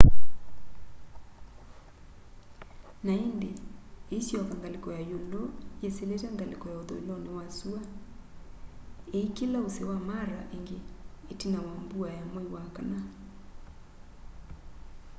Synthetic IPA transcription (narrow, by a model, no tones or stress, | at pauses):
naendeeisjɔkaŋɡalekɔjajolɔjeseletaŋɡalekɔjaoðɔ̰ilɔnewasua | eikelaosewamaɾaʔeŋɡeːtinawambuajamoiwakana